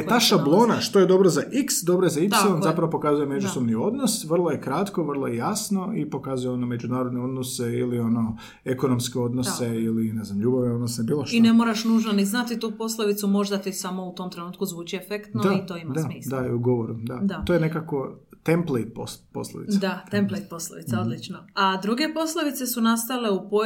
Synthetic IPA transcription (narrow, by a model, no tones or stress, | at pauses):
t̪aːʃablˠo̞ːnaʃt̪oje̞d̪o̞bɾozaʔiksd̪o̞bɾojezaip̪selˠonzapɾaʋopo̞kazujeme̞d͡ʒussobnio̞d̪nosʋrlˠoje̞kɾat̪koʋr̩lˠojejasno̞ipo̞kazujeo̞nome̞d͡ʒunaːɾod̪neo̞d̪noseilio̞no̞ | ekonomskeo̞d̪noseilineznamʎuːbaʋneod̪nosnebiːloʃinemo̞ːɾaʃnuːʒnaniznat̪it̪uːpo̞slˠoʋit̪sumo̞ʒd̪at̪isamo̞ut̪o̞ːmt̪ɾe̞nuːt̪kuzʋuːt͡ʃiefekt̪noait̪o̞imad̪amiːsd̪aiuɡoʋoɾud̪adt̪at̪oːjenekako̞t̪emplejt̪̚po̰spo̞̰slˠo̰ʋḭt̪dad̪at̪emplejt̪posloʋit̪aod̪lit͡ʃnoad̪ɾuɡe̞po̞slˠoʋit̪se̞sunast̪ale̞upo